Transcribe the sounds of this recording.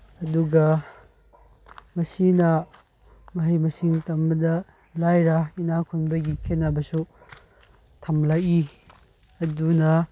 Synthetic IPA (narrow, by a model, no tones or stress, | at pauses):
ɐduɡɐ | mɐsinɐ | mɐɦɐjmɐsiŋtɐmbɐdɐ | lajɾainakʰuŋbɐɡikʰenːabɐsu | tʰɐmlaji | ɐdunɐ